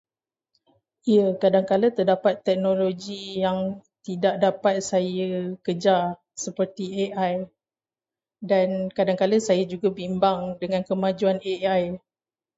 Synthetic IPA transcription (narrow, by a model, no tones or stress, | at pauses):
ʔiəkadaŋkalət̪ərdapat̪ːɛk̚nõloɡijaŋt̪idaʔ̚dapat̪̚sajəkəd͡ʒar | səpərt̪ieʔaj | dankadaŋkaləsajəd͡ʒuɡabimbaŋdəŋãnkəmãd͡ʒuaneaj